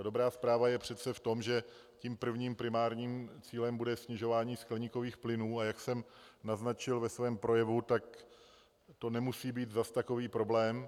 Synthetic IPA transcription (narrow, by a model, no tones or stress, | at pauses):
do̞bɾaːspɾaːvajɛpr̝̥ɛt̪t͡sɛft̪o̞mʒɛ | ciːmpr̩vɲiːmpɾɪmaːɾɲiːmt͡siːlɛmbudɛsɲɪʒo̞vaːɲiːsklɛɲiko̞viːxplɪnuːajaksɛm | naznat͡ʃɪlvɛsvɛːmpɾo̞jɛvut̪ak̚ | t̪o̞nɛmusiːbiːt̪zast̪ako̞viːpɾo̞blɛːm